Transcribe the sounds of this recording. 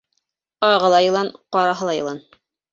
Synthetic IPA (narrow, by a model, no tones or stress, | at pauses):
ɑʁɤ̆lˠɑjɤ̆lˠɑnqɑɾɑɦɤ̆lˠɑjɤ̆lˠɑn